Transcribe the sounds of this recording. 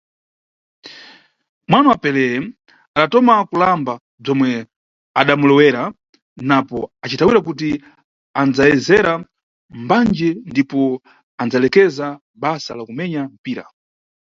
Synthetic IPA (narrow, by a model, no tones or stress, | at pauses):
mwanawapɛlɛɛ | aɗatɔmakulamba | b͡ʐɔmwɛ | a̰ɗamulɛwɛɾa | napɔat͡ʃitawiɾakuti | and͡zajɛzɛɾa | mband͡ʒɛndipɔ | and͡zalɛkɛza | ɓasa̰lakumɛɲam̩piːɾa̰